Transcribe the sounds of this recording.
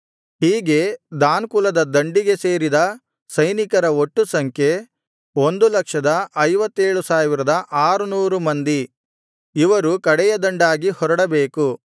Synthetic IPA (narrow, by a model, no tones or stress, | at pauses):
hiːɡe̞d̪aːnkulɐd̪ɐd̪ɐɳɖiɡe̞se̞ːɾid̪ɐ | sɐjnikɐɾɐoʈːusɐŋkʰje̞ | o̞nd̪ulɐkʂɐd̪ɐɐjʋɐt̪ːe̞ːɭusaːʋiɾɐd̪ɐʔaːɾunuːɾumɐnd̪i | iʋɐɾukɐɽɛjɐd̪ɐɳɖaːɡihɔɾɐɽɐbe̞ːku